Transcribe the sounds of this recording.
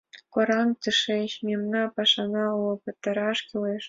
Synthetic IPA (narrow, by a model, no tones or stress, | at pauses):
kŏɾɑnt̪ʲɨʂeɕmʲemnɑpɑʂɑnɑlɤ̆pɤ̆t̪ːɑ̆ɾɑʂkʲileʂ